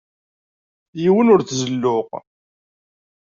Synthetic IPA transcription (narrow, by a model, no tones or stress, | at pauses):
jiwənʊɾθzəlːʊq